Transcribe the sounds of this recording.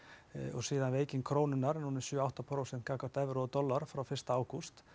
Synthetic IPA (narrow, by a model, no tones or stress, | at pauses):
ɔɣsiːðanvɪeːjcɪnkʰɾoːwnʏnaɾnunɪsjʏːawht̪apʰɾoːwsɛn̥kʰaːkaɾ̥t̪ɛvɾɔɔt̪ɔlːaɾ̥fɾawfɪrst̪aaːwkust̪